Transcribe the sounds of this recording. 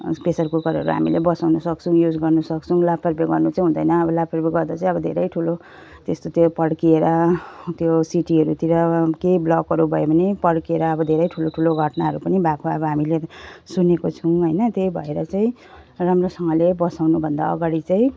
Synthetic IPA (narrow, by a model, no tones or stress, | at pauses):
pesʌrkokʌɾʌɾuɦa̰mḭlebʌsawnʌsʌkt͡sʰũjud͡zɡʌrnʌsʌkt͡sʰũlapʰpʌrbeɡʌrnut͡saĩɦũnd̪ʌjnʌːbʌlabpʰʌrbeɡʌrd̪at͡saĩʌbʌd̪ʱeɾʌjʈʰulo | t̪est̪ot̪jopʌɽkieɾʌt̪josiʈiɦʌɾut̪iɾʌkejblʌkːʌɾubʱʌebʱʌnepʌɽkieɾʌːbʌd̪ʱeɾʌjʈʰuloʈʰuloɡʱʌʈnaɦʌɾupʌnibakʰoʌbʌɦamilesunekot͡sʰʌw̃ɦʌjnʌt̪ejbʱʌeɾʌt͡saĩ | ramrosʌŋʌlebʌsawnubʱʌnd̪a̰ʌ̰ɡaɽit͡saĩ